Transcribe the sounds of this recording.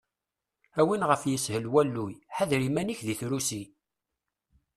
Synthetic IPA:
æwinʁəfjəshəlwælːujħæðɾimæniçðiθɾusi

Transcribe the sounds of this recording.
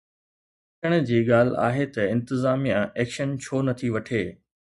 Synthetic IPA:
ɐtəɽ̃̆d͡ʑiːɠaːl̤a̰ːɦet̪ɐɪ̃nt̪ɪzaːmijãʔeːkʃənt͡ɕʰoːnɐt̪ʰiʋɐʈʰeː

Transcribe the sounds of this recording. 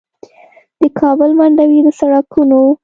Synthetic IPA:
d̪̥əkʰɑbəlmaɳɖawid̪əsaɽɑkʰuno

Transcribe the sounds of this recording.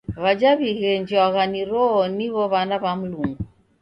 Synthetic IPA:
βad͡ʒaβiɣɛɲd͡ʒiwaɣaniɾɔːniβɔβanaβam̩luŋɡu

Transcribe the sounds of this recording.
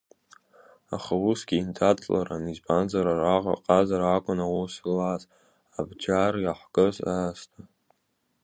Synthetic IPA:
a̰χawusɡʲiːntʰat͡sʼla̰ɾanizbanzaɾaraʁa̰qʼazaɾakʷʼʊnawuslaz | abd͡ʒarjaħʷɡʼɨzastʰʼa

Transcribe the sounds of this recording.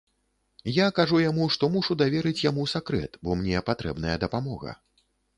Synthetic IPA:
jakaʐujamuʂt̪ɔmuʂud̪avʲɛɾɨt͡sʲjamusakɾɛ̰t̪bɔmnʲɛpat̪ɾɛbnɐjɐd̪ɐpamɔɣɐ̰

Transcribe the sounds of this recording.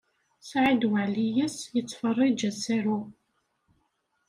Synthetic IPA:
sʕid̪waʕlijəsjət͡sːfərˤːid͡ʒæsæɾu

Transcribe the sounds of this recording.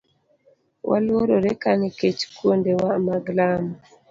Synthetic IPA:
wʔa̰lwoɾoɾekaneket͡ʃkwondewamaɡlama

